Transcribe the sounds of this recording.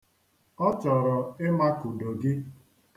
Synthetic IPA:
ɔ˦t͡ʃɔ˨ɾɔ˨ɪ˦ma˦ku˨do˨ɡɪ˦

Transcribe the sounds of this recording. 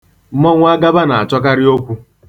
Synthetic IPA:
mɔ˦ŋʷ˦a˦ɡa˦ba˦na˨a˨t͡ʃɔ˦k̬a˦ɾɪ˦o˦kʷu˦

